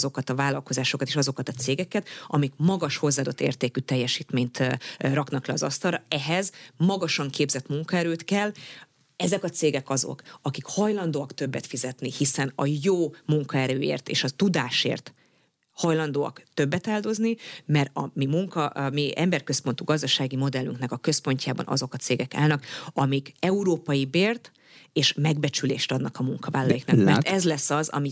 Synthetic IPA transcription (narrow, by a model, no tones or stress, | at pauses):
zo̞kɒt̪ɒvaːlɒlko̞zaːʃo̞kɒt̪eːʃɒzo̞kɒt̪ɒt̪seːɡɛkɛt̪ɒmikmɒɡɒʃho̞zːaːd̪ot̪ːḛːrt̪eːkyt̪ɛjːɛʃiːt̪meːɲt̪rɒknɒklɛɒzɒst̪ɒlrɒɛɦɛzmɒɡɒʃɒŋkeːbzɛt̪muŋkɒɛɾøːt̪kɛl | ɛzɛkɒt̪seːɡɛkɒzo̞̰kɒkikhɒjlɒnd̪oːɒkt̪ø̞bːɛt̪fizɛt̪nihisɛnɒjoːmuŋkɒɛɾøːḛːrt̪ḛːʃɒt̪ud̪aːʃḛːrt̪ | hɒjlɒnd̪oːɒ̰kt̪øbːɛt̪aːld̪o̞znimɛrɒ̰mimuŋkɒmiɛ̰mbɛrkø̞spo̞nt̪uɡɒzd̪ɒʃaːɡimo̞d̪ɛlːyŋknɛkɒkø̞spo̞ɲcaːbɒ̰nɒ̰zo̞kɒt̪seːɡɛka̰ːlnɒkɒmikɛuɾoːpɒjibeːrt̪ | eːʃmɛɡbɛt͡ʃylḛːʃt̪ɒd̪nɒkɒmuŋkɒvaːlːɒjiknɒkmɛ̰rt̪ɛzlɛsːɒzɒ̰mi